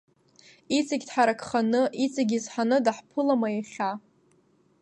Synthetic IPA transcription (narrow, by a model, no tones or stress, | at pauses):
it͡sʼaɡʲdħaɾakʰʼχanɨʔit͡sʼaɡʲizħanɨdaħpʰɨlamaaχʲa